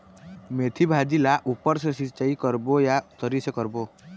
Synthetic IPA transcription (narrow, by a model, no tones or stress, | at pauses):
met̪ʰibʱad͡ʒilaʔupɔɾsəsit͡ʃaikɔɾbojat̪əɾisəkɔɾbo